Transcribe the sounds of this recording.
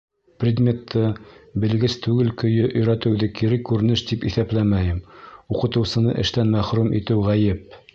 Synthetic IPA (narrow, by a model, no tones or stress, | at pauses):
prʲɪd̪mʲet̪ʰːɤbɘ̆lɡɘst̪ʉɡɘlkɵ̆jɵʔɵ̆jɾæt̪ɘ̆wðɘkiɾɘkːʉɾɘ̆nɘʃt̪ipiθæplæmæjɘmuqɤ̆t̪ɤ̆wsɤ̆nɤ̰ʔɘ̆ʃt̪ænmæχɾumʔḭt̪ɘwʁæjɘp̚